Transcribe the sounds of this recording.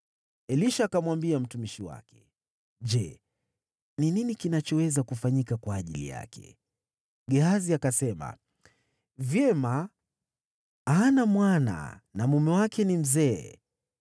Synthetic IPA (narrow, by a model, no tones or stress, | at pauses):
ɛliʃaːkamwambiam̩tumiʃiwa̰kɛ̥ | ʄɛ | nininikinat͡ʃɔwɛzakufaɲikakwaːʄḭlḭja̰kʰɛ̰ | ɠɛɦaziakasɛma̰ | vjɛma | anamwana̰namumɛwakʰɛnim̩zɛː